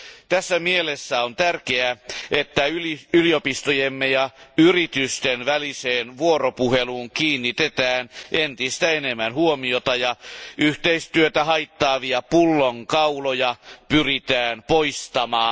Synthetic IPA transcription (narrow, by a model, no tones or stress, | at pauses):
t̪æsːæmielesːæont̪ærkeæet̪ːæyliyliopist̪ojemːejɑyrit̪yst̪enʋæliseːnʋuoropuheluːŋkiːnːit̪et̪æːnʔent̪ist̪æenemːænhuomiot̪ɑjɑʔyht̪eist̪yøt̪æhɑit̪ːɑːʋiæpulːoŋkɑulojɑpyrit̪æːnpoist̪ɑmɑː